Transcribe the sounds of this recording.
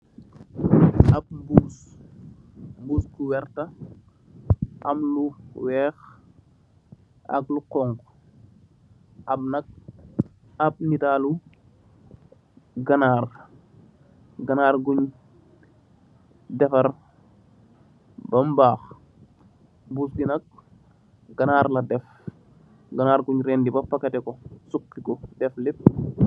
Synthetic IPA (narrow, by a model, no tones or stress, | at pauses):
ɐb̚buːs | mbuːskuwɛɾtɐ | ʔɐmluwɛːx | ɐ̰klukɔŋk | ʔɐb̚nɐk̚ | ɐp̚nitaːlu | ɡɐnaːr | ɡɐnaːɾɡuɲ | dɛfɐɾ | bɐmbaːx | busɡinɐk̚ | ɡ̥anaːɾladɛf | ɡanaːɾɡuɲɾendibapakɐtɛkosukːikɔdɛflit̚